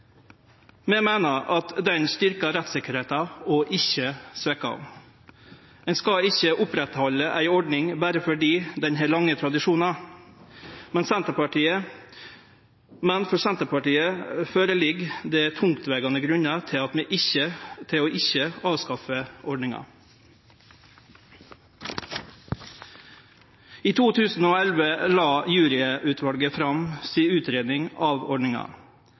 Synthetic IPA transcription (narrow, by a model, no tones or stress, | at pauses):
mɛmæɪnəɾʔɑt̪d̪ɛnst̪ʏɾkɑɾɛt̪sɪkːəɾheːt̪ɑɔʔɪçəsʋɛːkəɑ̰ʋ | ɛnskɑɪçːəʔʊpɾɛt̪hɔlːəʔæ̰ɪɔɖnɪŋbæːɾəfɔɖiːd̪ɛnɦɛːlɑŋːət̪ʰɾɑd̪ɪʂuːnɑ | mɛnsɛnt̪əpɑʈiːə | mɛnfɔɾsɛnt̪əɾpɑʈiːəføːɾəlɪɡd̪ɛːt̪ʰʊŋkt̪ʋeːɡɑnəɡɾʉɲɑt̪ʰɪɑt̪meːʔɪçət̪ʰɪoːʔɪçəɑːʋskɑfəʔɔɖɳɪŋɑ̰ | iːt̪ʰuːt̪ʰʉːsn̩oːɛlʋəlɑːjʉːɾɪʔʉt̪ʰʋɑlɡəfɾɑmsiːʉːt̪ɾeːd̪nɪŋɑːʋɔɖɳɪŋɑ̰